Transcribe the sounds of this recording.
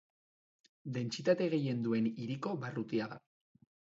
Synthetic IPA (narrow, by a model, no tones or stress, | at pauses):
d̪e̞nt͡sit̪at̪e̞ɣ̞e̞je̞nd̪ue̞niɾiko̞βarut̪iaða̰